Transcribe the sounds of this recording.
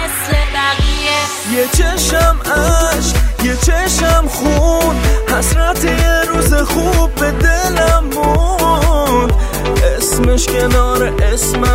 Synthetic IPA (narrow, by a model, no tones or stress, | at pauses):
jet͡ʃʰeʃamaʃjet͡ʃʰeʃamχunhasɾat̪ʰiɾuzeχub̚ːed̪elamːu | nd̪ | esmɪʃkʰʲenɒɾeʔesma